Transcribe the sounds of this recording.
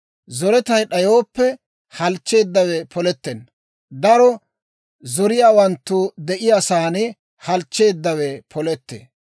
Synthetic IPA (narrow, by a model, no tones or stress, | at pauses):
zɔɾɛt̪ɐjɗɐjo̞ːpːɛ | hɐlt͡ʃːe̞ːd̪ːɐwɛpʰɔlɛt̪ːɛn | d̪ɐɾɔ | zɔɾɪjaːwɐnt̪ːʊd̪ɛʔɪjasaːnɪ | hɐlt͡ʃːe̞ːd̪ːɐwɛpʰɔlɛt̪ːḛ